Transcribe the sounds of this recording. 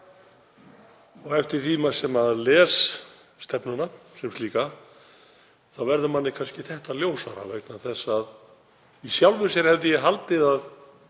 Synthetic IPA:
ɔɣɛft̪ɪɾ̥t̪ʰiːmasɛmaðlɛːsː | t̪ɛpnʏnasɛmst̪iːka | θawvɛɾðʏmanːɪkʰanscɪθɛht̪aðljoːwsa̰ɾa̰vḛjknaθɛsːað | isjawlvʏsjɛɾhɛvðɪjɛɦalt̪ɪðað

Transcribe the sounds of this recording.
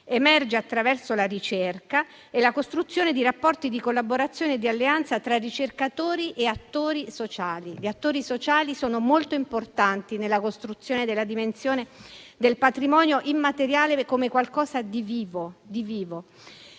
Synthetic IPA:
emɛrd͡ʒeat̪ːɾavɛrsolarit͡ʃerka | elakost̪ɾut̪sːjoːned̪iɾapːɔrt̪id̪ikolːaboɾat̪sːjoːned̪ːialːeant̪sat̪ɾarːit͡ʃerkat̪oːɾiʔeat̪ːoːɾisot͡ʃaːliʎiat̪ːoːɾisot͡ʃaːlisoːnomolt̪oimport̪ant̪inelːakost̪ɾut̪sːjoːned̪elːad̪imensjoːned̪elpat̪ɾimɔːnjoʔimːat̪eɾjaːlekomekwalkɔːzad̪iviːvod̪iviːvo

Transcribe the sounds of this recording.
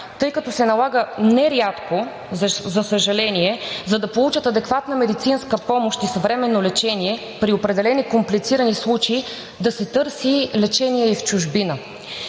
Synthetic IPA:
t̪ɤjkɐt̪ɔsɛnɐlˠaɡənɛɾʲat̪ko | zɐsəʒɐlɛniɛzɐd̪ɐpolˠut͡ʃət̪ɐd̪ɛkvat̪nəmɛd̪it̪sinskəpɔmoʃt̪isɐvɾɛmɛnːolɛt͡ʃɛniɛ | pɾiopɾɛd̪ɛlɛnikomplit̪siɾənislˠut͡ʃɛi | d̪ɐsɛt̪ɤɾsilɛt͡ʃɛniɛift͡ʃʊʒbinə

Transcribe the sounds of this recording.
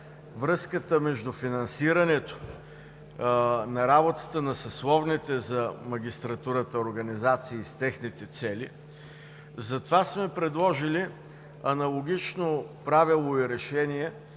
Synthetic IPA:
vɾɤskət̪əmɛʒd̪ʊfinɐnsiɾɐnɛt̪o̥ | nɐɾabot̪ə̥t̪ənɐsɐslˠɔvnit̪ɛzɐmɐɡʲist̪ɾɐt̪uɾət̪əoɾɡɐnizat̪siːst̪ɛxnit̪ɛt̪sɛli | zɐt̪ovasmɛpɾɛd̪lˠɔʒili | ɐnɐlˠoɡ̟ʲit͡ʃnopɾavilˠoiɾɛʃɛniɛ

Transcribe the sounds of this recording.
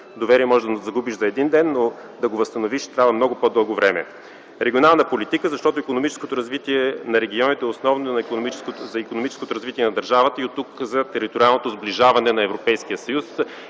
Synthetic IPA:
d̪ovɛɾiɛmɔʒɛʒd̪zɐɡubiʃzɐɛd̪ind̪ɛnːo | d̪ɐɡovəst̪ɐnoviʃt̪ɾʲavəmnɔɡopɔd̪ɤlˠɡovɾɛmɛ̰ | ɾɛɡʲionalˠnəpolit̪ikəzɐʃt̪ɔt̪oʊikonomit͡ʃɛ̥skot̪oɾɐzvit̪iɛnɐɾɛɡʲiɔnit̪ɛosnɔvnonɐikonmit͡ʃɛkozɐikonomit͡ʃɛskot̪oɾɐzvit̪iɛnɐd̪ɐɾʒavət̪əiot̪ːukzɐt̪ɛɾit̪oɾialˠnot̪ozbliʒavɐnɛnɐɛvɾopɛjskijəsɐjus

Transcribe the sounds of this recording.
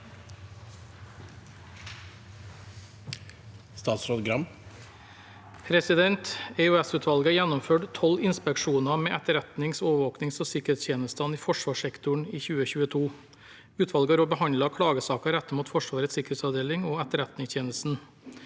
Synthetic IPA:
st̪ɑːt̪sɾoːd̪ɡɾɑm | pʰɾɛsɪd̪ɛnt̪ɛʉɛsʉːt̪ʰʋɑlɡəɑjænɔmføːʈt̪ʰɔlɪnspɛkʃuːnɑmeːʔæt̪əɾɛt̪nɪŋsoːʋəʋoːknɪŋsoːsɪkəɾeːtst̪ʰeːnəst̪ɑniːfɔʂʋɑːʂɛkt̪ʊɳiːçʉːəçʉːət̪ʰuː | ʉːt̪ʰʋɑlɡɑɾoːbəhɑnd̪lɑkʰɽɑːɡəsɑːkɑɾæt̪ːəmuːt̪fɔʂʋɑːɾət̪sɪkəɾeːt̪sɑʋd̪eːlɪŋoːæt̪əɾɛt̪nɪŋst̪ʰjeːnəst̪n̩

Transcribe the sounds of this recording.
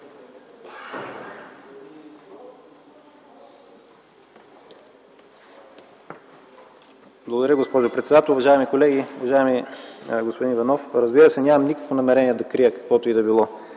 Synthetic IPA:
blˠɡod̪ɐɾʲjəɡospɔʒopɾɛt̪sɛd̪at̪ɛlˠʊvɐʒaɛmikolɛɡʲiʊvɐʒaɛmiɡospoʊd̪invɐnɔfɾəzbiɾəsɛnʲamɐmnikə̥kvonɐmɛɾɛniɛd̪ɐkɾiəkɐ̥kvɔt̪oid̪ɐbilˠɔ

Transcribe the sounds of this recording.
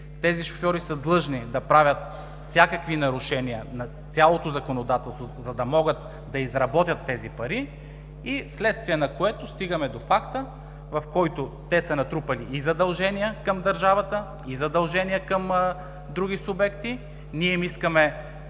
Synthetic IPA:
t̪ɛziʃo̥fʲjɔɾisəd̪lˠɤʒnid̪ɐpɾavʲjət̪ | fsʲakɐkvinɐɾʊʃɛniənɐ | t̪sʲalˠot̪ozɐkonod̪at̪ɛlˠst̪vozɐd̪ɐmɔɡət̪ | d̪ɐizɾɐbɔt̪ʲjɐt̪ːɛzipɐɾi | islɛt̪st̪viɛnɐkoɛt̪ʊst̪iɡəmɛd̪ofakt̪ə | vɐfkɔjt̪ot̪ɛsɐnɐt̪ɾupɐliːzɐd̪ɐlˠʒɛnijəkɐmd̪ɐɾʒavɐt̪ə | izɐd̪ɐlˠʒɛnijəkəm | d̪ɾuɡ̟isʊbɛkt̪i | niɛimiskəmɛ

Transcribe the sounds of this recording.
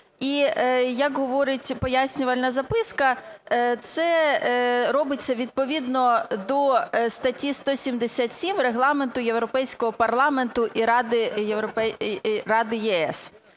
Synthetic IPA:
ijɐkɦɔʋɔɾɪtʲpɔjasʲnʲʊʋɐlʲnɐzɐpɪskɐt̪sɛ | ɾɔbɪt͡sʲːɐʋʲid̪̚pɔʋʲid̪nɔd̪ɔst̪ɐtʲist̪ɔsʲimd̪esʲat̪ʲsʲimreɦlˠɑment̪ʊjewɾɔpɛjsʲkɔɦɔpɐrlˠɑment̪ʊʔiɾɑd̪ɪjewɾɔpɛrɑd̪ɪjɛɛs

